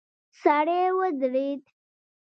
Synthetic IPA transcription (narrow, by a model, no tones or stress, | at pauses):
saɽewəd̪ɾit̪